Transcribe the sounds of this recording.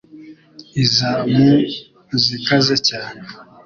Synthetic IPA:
izamu | zikazacaːne

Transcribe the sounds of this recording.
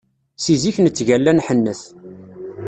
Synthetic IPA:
siziçnət͡sːʝælːænħənːəθ

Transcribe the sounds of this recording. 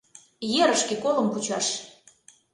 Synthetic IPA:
jeɾəʃkekoləmput͡ɕɑʃ

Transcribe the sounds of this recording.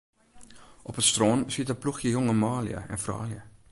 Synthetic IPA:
ʔɔpətst̪roːnsitəpluxjəjoŋəmɑːlḭjə̰ɛ̰nfrɑ̰ːljə

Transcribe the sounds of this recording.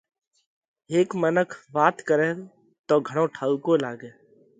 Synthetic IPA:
eːkmənəkʰʋaːt̪kəɾẽː | t̪oːɡʱəɽ̃õːʈʰaːukoːlaːɡeː

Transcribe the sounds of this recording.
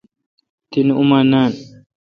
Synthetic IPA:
t̪inumanaːn

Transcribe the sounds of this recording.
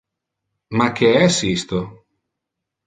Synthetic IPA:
mak̟ːeɛsist̪o

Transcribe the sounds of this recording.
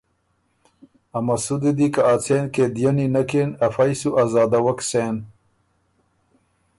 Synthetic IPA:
ɐmɐsud̪ed̪ikaat͡sʰenked̪janinɐkenɐfajsuʔazaːd̪awɐkseːn

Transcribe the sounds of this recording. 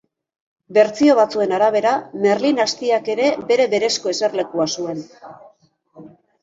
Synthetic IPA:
be̞ɾt͡sio̞β̞at͡sue̞naɾaβ̞e̞ɾame̞rlinast̪iake̞ɾe̞be̞ɾe̞βe̞ɾe̞sko̞e̞se̞rle̞kuasue̞n

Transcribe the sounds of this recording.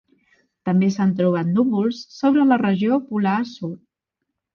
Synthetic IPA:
t̪əmbesant̪ɾuβ̞at̪nuβulˠsːoβɾələrəʒiopulasu

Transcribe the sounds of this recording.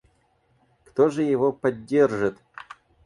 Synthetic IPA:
kt̪oʐɨjɪvopɐdʲːerʐɨt̪

